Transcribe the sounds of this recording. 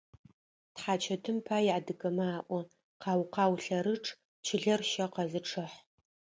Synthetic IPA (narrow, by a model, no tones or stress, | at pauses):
tħaːt͡ʃʰɐtʰɨmpʰaːjʕadɨɡɐmaːʔʷɔ | qɑːwqɑːwɬɐɾɨʈ͡ʂʰʼ | t͡ʃʰɪɮɐrʃɐqɐzɨʈ͡ʂʰɨħ